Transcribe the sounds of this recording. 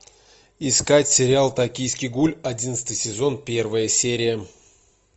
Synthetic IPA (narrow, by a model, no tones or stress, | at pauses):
ɪskatʲsʲɪɾʲɪalˠt̪ɐkʲijskʲɪjɡulʲɐdʲinət̪st̪ɨjsʲɪzo̞npʲe̞rvəjəsʲeɾʲɪjə